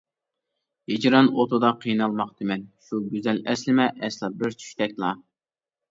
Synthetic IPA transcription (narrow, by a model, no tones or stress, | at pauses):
hed͡ʒɾɑnot̪ʰud̪ɑqʰijnɑlˠmɑqd̪ɨmɛnʃuɡʲyzɛlɛslɪmɛʔɛslˠɑbɪɾt͡ʃʰy̥ʃt̪ɛk̚ʲlˠɑ